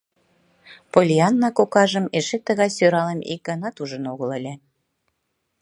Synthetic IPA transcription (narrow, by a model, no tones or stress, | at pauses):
polʲiɑnːɑkokɑʒəmeʃet̪əɣɑjsøɾɑləmḭk̚ɡɑnɑt̪uʒənoɣələlʲe